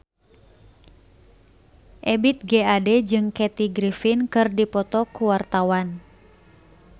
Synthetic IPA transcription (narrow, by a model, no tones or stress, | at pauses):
ʔɛbit̪̚ɡɛadɛd͡ʒɨŋkɛt̪iɡɾifinkɨrdipɔt̪ɔkuwart̪awan